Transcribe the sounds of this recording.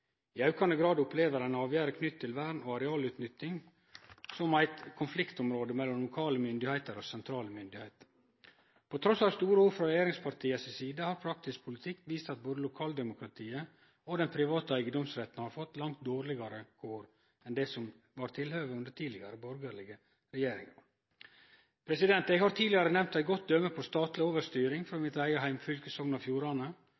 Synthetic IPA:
ɪɑʉkɑnd̪əɡɾɑːd̪ʊpleːʋəɾɛnɑːʋjæːɾəkʰnʏt̪ʰːɪlʋæːɾɳoːɑɾɛɑːlʉːt̪nʏt̪ːɪŋ | sɔmæɪt̪kʰʊnflɪkt̪ɔmɾoːd̪əmɛlːɔmlʊkʰɑːləmʏnd̪ɪhæɪt̪əɾɔsɛnt̪ʰɾɑːləmʏnd̪ɪhæɪt̪ə̥ | pʰot̪ʰɾɔsɑʋst̪uːɾəuːfɾɔɾɛjeːɾɪŋspʰɑɾt̪ʰiːəsɪsiːd̪əhɑːɾpʰɾɑk̚t̪ɪskpʰʊlɪt̪ʰɪkːʋiːst̪ɑt̪̚boːd̪əlʊkʰɑːld̪ɛmʊkʰɾɑt̪ʰiːə | od̪ɛnpʰɾɪʋɑːt̪əæɪɡəd̪ɔmsɾɛt̪nhɑːɾfɔt̪ːlɑŋt̪̚d̪oːɾlɪɡɑɾəkʰoːɾ | ɛnd̪ɛsɔm | ʋɑːɾt̪ʰɪlhøːʋəʉnd̪əʈʰiːd̪ɪɡɑɾəbɔɾɡəɭɪɡə | ɾɛjeːɾɪ̰ŋɑ̰ɾ | pʰɾɛsɪd̪ɛnt̪ɛɡhɑɾt̪ʰiːdlɪɑɾənɛmt̪æɪɡɔt̪̚d̪œməpʰɔst̪ɑːt̪lɪoːʋəɾst̪yːɾɪŋfɾoːmɪt̪æɪɡəɦæɪmfʏlkəsɔŋnɑfjuːɾɑnə

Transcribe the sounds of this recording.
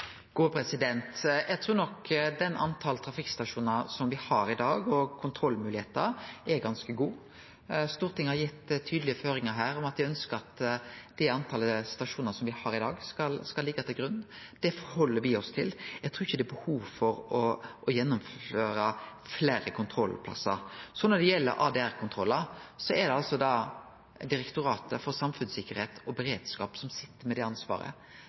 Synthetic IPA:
ɡ̥uːpʰɾɛsɪd̪ɛnt̪jɛɡt̪ʰɾuːnɔkːd̪ɛnʔɑ̰nt̪ʰɑlt̪ʰɾɑfɪkst̪ɑʂuːnɑsɔmʋɪhɑɾɪd̪ɑːɡɔkʰʊnt̪ʰɾɔlːmʉːlɪheːt̪əɾɛɡɑnskəɡuː | st̪uːɾt̪ʰɪŋhɑɾjɪt̪ːt̪ʰːyːd̪lɪəføːɾɪŋəɦæːɾɔmɑt̪ʋɪœnskəɾɑt̪d̪̥ɛɑnt̪ʰɑləst̪ɑʂuːnənəsɔmʋɪhɑːɾɪd̪ɑːɡskɑlskɑlːɪɡːɑt̪ɪlɡɾʉnːd̪̥ɛfɔɾhɔlːəɾʋɪɔst̪ʰɪljɛɡ̚t̪ʰɾuːɪçəd̪ɛbəhuːʋfɔɾɔʔɔjɛnːʊmføːɾəfleːɾəkʰʊnt̪ʰɾɔlpʰlɑ̰sə̰ɾsɔnɔd̪ɛjɛlːə̰ɾʔɑ̰ːd̪ɛːæɾkʰʊnt̪ʰɾɔlːəɾsɔɛd̪ɛɑlsɔd̪ɑ | d̪ɪɾɛkt̪ʊɾɑːt̪əfɔɾsɑmfʉnsɪkːəɾheːt̪ʰɔbɛɾeːd̪skɑːpsɔmsɪt̪ːəɾmɛd̪ɛɑnsʋɑ̰ːɾə̰

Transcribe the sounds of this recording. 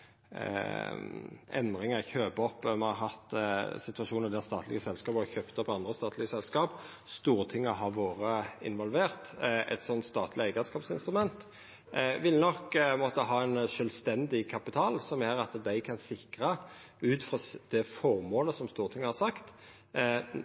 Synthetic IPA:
ɛ̰nd̪ɾɪŋəɾçøːpɔpːmɛɑɦɑt̪sɪt̪ʉɑʂuːnəɾd̪ɛst̪ɑːt̪ʰlɪ̰ɡəsɛlskɑːpɔɔçøːpt̪ɔpːɑnd̪ɾəst̪ɑːt̪lɪɡəsɛlskɑːp | st̪uːʁt̪ʰɪŋːəɦɑɾʋoːʁəɪ̰nʋɔlʋeːʁt̪ɛ̰t̪sɔnt̪st̪ɑːt̪ʰlɪæɪɡəskɑːpsɪnst̪ɾʉmɛnt̪ | ʋɪlnɔkmoːt̪əɦɑːɛnʂœlst̪ɛnd̪ɪkʰɑpɪt̪ʰɑːlsɔmjæɾɑt̪d̪æɪkʰɑnsɪkɾə | ʉːt̪fʁɑd̪̥ɛfɔɾmoːləsɔmst̪uːʁt̪ʰɪŋːəhɑɾsɑkt̪

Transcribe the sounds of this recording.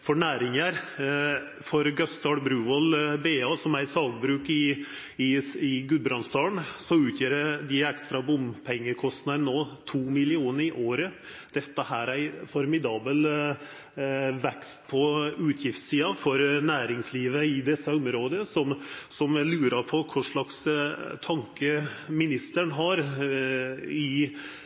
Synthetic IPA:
fɔɳæːɾɪŋəɾ | fɔɾɡœst̪ɑɽbɾʉːɔlbeːɑːsɔmæɪsɑːɡbɾʉːkɪ | ɪɪɡʉːd̪̚bɾɑnst̪ɑːɳsɔʉːt̪ʰjøːɾəd̪ɪɛkst̪ɾɑbʊmpʰɛŋːəkʰɔst̪nənoːt̪ʰuːmɪlɪuːnəɾɪʔoːɾəd̪̥ɛt̪ːəhæːɾæɪfɔɾmɪd̪ɑːbəl | ʋɛkst̪̚pʰɔʉːt̪ʰjɪft̪siːɑfɔɾnæːɾɪŋsliːʋəɪd̪ɛsːəʊmɾoːd̪əsɔmsɔmlʉːɾəpʰɔkʰʊʂɭɑkst̪ʰɑŋkəmɪnɪst̪əɳɦɑɾ | ɪ

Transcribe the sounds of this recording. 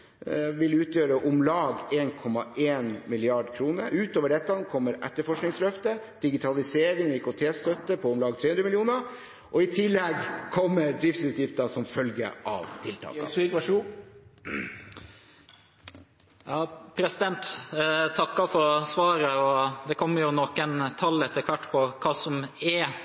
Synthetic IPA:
ʋɪlʉːt̪jøːɾəʔʊmlɑːɡeːnkʰɔmːɑʔeːnmɪlɪɑɖkʰɾuːnəɾʉːt̪oːʋəɖɛt̪ːɑnkʰɔmːəɾʔɛ̰t̪ːəɾfɔʂknɪŋslœft̪ə | d̪̥ɪɡɪt̪ʰɑlɪseːɾɪŋɔɪkɔt̪ʰeːst̪œt̪ːəpʰɔʊmlɑːɡ̚t̪ɾeːhʉnɾəmɪlɪuːnə | ʔɔɪt̪ʰɪlːɛɡkʰɔmːəɾɖɾɪft̪sʉːt̪jɪft̪əsɔmfœlɡə̰ʔɑ̰ʋt̪ʰɪlt̪ʰɑ̰ːsikʋʂuː | jɑːpʰɾɛsɪd̪ɛnt̪t̪ʰɑkːɑfɔɾsʋɑːɾəɔd̪ɛkʰɔmːəɾjʊnɔːkənt̪ʰɑlːɛt̪ːəɾkʰʋæʈːpʰɔkʰɑːsɔmɛ

